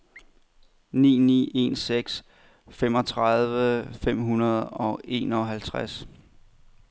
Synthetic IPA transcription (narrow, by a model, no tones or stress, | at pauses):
nḭːnḭːe̝̰nseɡ̥s | fem̰ɒ̽t͡sʰʁɑðˠʋəfem̰ɦunɐð̞̩ˠɒ̽ʔe̝ːnɒ̽ɦælt͡sʰʁas